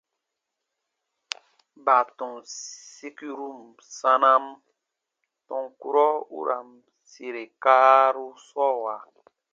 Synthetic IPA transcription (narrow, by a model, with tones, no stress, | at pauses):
ba˨tɔ̃˨si˦ki˦ɾu˦˨m | sã˦na˦m | tɔ̃˨ŋku˦ɾɔ˦ṵ˦ɾʔa˨m | si˨ɾe˨ka˦ɾu˦sɔ˦˨wa˨